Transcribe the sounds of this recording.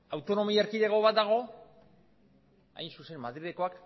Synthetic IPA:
awt̪o̞no̞mieɾkiðeɣo̞βat̪̚d̪aɣ̞o̞ | a̰jnsuse̞nmaðɾiðeko̞ak

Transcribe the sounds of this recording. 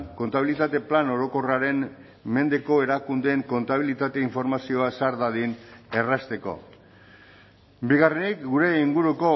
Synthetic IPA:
ko̞nt̪aβilit̪at̪e̞plano̞ɾo̞ko̞raɾe̞n | me̞nd̪e̞ko̞e̞ɾakund̪eŋko̞nt̪aβ̞ilit̪at̪e̞iɱfo̞ɾmasio̞aseaɾðaðine̞rast̪e̞ko̞̰ | biɣarenikɡuɾe̞iŋɡuɾuko̞

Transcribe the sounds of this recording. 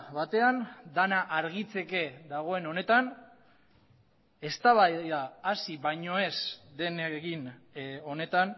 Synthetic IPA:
βat̪e̞and̪anaʔaɾɣ̞it͡se̞ke̞ðaɣ̞o̞e̞no̞ne̞t̪an | e̞st̪aβaðaːsiβajɲo̞e̞sd̪e̞neɣin | o̞ne̞t̪an

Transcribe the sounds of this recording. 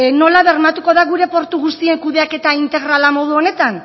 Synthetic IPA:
no̞laβe̞ɾmat̪uko̞ðaɣuɾe̞po̞ɾt̪uɣust̪ie̞ŋkuðe̞ake̞t̪aint̪e̞ɣ̞ɾalamo̞ð̞uo̞ne̞t̪an

